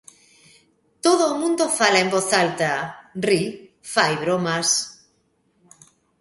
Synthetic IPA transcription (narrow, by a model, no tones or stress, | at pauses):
t̪oðoːmũnd̪ofalaemboθalt̪ari | fajβɾomas